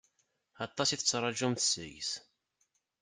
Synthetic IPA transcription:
ɑt̪ˤːɑsiθət͡sːɾˤɑʒumθəsə̰js

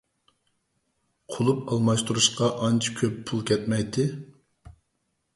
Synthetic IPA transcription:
qʰolˠupɑlˠmɑʃt̪uɾuʃqɑʔɑnt͡ʃʰi̥kʲʰøpʰːulˠkʲɛt̪̚mɛjt̪ɪ

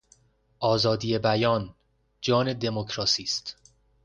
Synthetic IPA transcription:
ʔɒːzɒːd̪ije̞bæjɒːn | d͡ʒɒːne̞d̪e̞mocʰɾɒːsiːst̪

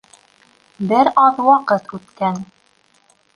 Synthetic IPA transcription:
bɘɾɑðwɑqɤt̪ʰʉt̪kæn

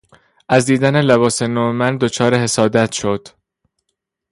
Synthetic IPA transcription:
ʔæzd̪iːd̪æne̞leβɒːse̞noːemænd̪o̞t͡ʃʰɒːɾeɦe̞sɒːd̪æt̪ʰʃo̞d̪̥

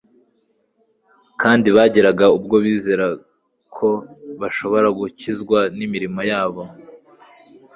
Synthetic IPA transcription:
kʰaːndiβaːɟeɾaɡaub̚ɡo̞βiːzeɾa | kʰo̞βaʃo̞βo̞ɾaɡucizɡwanimiɾimojaːβo̞

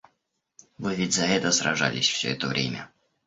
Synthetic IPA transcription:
vɨvʲɪtʲzɐɛt̪əsɾɐ̰ʐa̰lʲɪsʲfsʲɵ̰ɛt̪əvɾʲḛmʲə̰

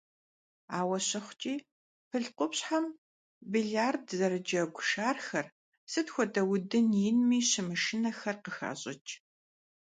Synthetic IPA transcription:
aːwɐɕɪχʷt͡ʃʼiː | pʰɨɮqʷʊpɕħam | biɮaːrdzɐɾɨd͡ʒɐɡʷʊʃaːrxɐr | sɨtxʷɔdɐwdɨnjɪnmiːɕɪmɨʃɪnɐxɐrqəxa̰ːɕʼɪt͡ʃʼ

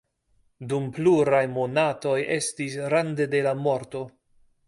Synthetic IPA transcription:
dumpluɾajmo̞nato̞je̞stis̬ɾand̪e̞de̞lamo̞ɾto̞

